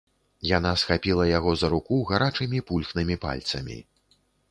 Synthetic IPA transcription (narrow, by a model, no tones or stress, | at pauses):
jan̪asxapʲilˠɐjaɣɔzɐɾukuɣaɾat͡ʂɨmʲipulʲxnɨmʲipa̰lʲt̪sɐmʲḭ